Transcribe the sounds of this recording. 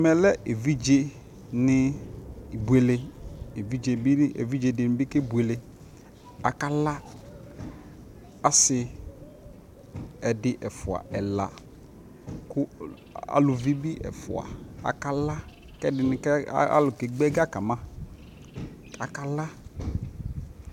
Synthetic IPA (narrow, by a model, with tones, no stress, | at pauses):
mɛ˨lɛ˦ʔe˨vi˦d͡ʒe˦ | nɪ˦˨ | bu˨e˨le˨e˨vi˦d͡ʒe˨bi˦ḛ˨vi˦d͡ʒe˨dɪ˨nɪ˨bi˦ke˦bu˨e˨le˨ | a̰˨ka˦la˦ | a˦sɪ˨ | ɛ˨dɪ˨ʔɛ˨fʊ˨a̰˨ɛ˨la˨ | kʊ˦ | a̰˨lʊ˨vi˦bi˦ʔɛ̰˨fʊ̰˨a̰˨a̰˨ka˨la˦ | kɛ˦dɪ˨nɪ˨kɛ˦a̰˦lʊ˨ke˨ɡ͡bɛ˦ɡa˦ka˨mã˦ | ka˨ka˨la˦